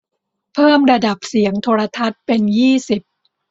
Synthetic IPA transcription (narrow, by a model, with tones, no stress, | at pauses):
pʰɤː˥˩mɾa˧da˨˩p̚si˩˦əŋt̪ʰoː˧ɾa˧t̪ʰa˦˥t̪̚pe˧njiː˥˩si˨˩p̚